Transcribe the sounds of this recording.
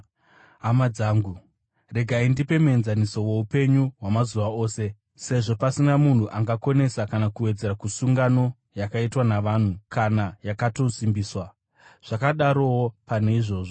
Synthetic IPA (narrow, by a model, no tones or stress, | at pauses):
amad͡zaːŋɡu | re̞ɡʱaindipe̞mue̞nzaniso̞we̞upe̞ɲuwamazuʋao̞ːse̞ | se̞ʐo̞pasinamun̤uʔaŋɡako̞ne̞sakanakuwe̞d͡ze̞ɾakusuŋɡano̞ | jakaitwanaʋan̤ukanajakato̞simbiːswa | ʐ̥akaɗaɾo̞wopane̞iʐo̞ːʐo̞